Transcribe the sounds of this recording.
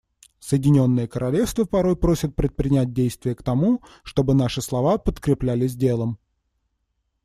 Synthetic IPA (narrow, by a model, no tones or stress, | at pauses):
səjɪdʲɪnʲo̞nːɨjəkəɾɐlʲe̞fst̪vəpɐɾo̞jpɾo̞sʲɪt̪̚pɾʲɪt̪̚pɾʲɪnʲæt̚ʲdʲejst̪vʲɪjəkt̪ɐmu | ʂt̪o̞bɨnaʂɨslˠɐvapət̪kɾʲɪplʲælʲɪz̬ʲdʲe̞lˠəm